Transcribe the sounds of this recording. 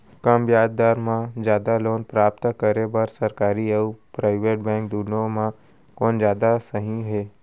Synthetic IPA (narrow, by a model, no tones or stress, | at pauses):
kɐmjaːd̪̚d̪aːɾmãzjaːd̪aloːnpɾaːp̚t̪kəɾebəɾsɐɾkaːɾiaːpɾaːɪʋeːʈ̚bɛ̃ːŋk̚d̪uːnõmã | koːnd͡ʒjaːd̪asəɦĩɦeː